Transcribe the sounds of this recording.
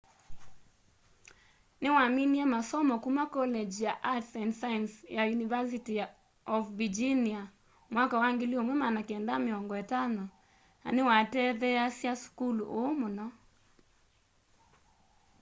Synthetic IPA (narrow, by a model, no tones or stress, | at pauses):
newaminiɛmasɔmɔkumakɔlɛd͡ʒjaʔatsɛndsajɛnsjajunivas̬itija | ɔfvid͡ʒinia | mwakawaŋɡeliomwɛmanakɛndameɔŋɡɔetanɔ | na̰newatɛðɛasjaskuluʔoːmonɔ